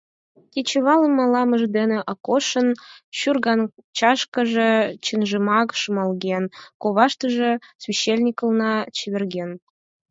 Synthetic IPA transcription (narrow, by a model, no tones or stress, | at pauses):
kʲet͡ɕĕβɑlˠɤ̆mɑlˠɑmɤ̆ʒd̪enĕʔɑkoʃɤ̆nɕurɣɑnt͡ɕɑʃkɤ̆ʒĕt͡ɕinʒɤmɑkʃɤmɑlˠɣʲenkoβɑʃt̪ɤ̆ʒĕsvʲiɕːelʲnʲikɤ̆lˠnɑt͡ɕeβʲerɣʲen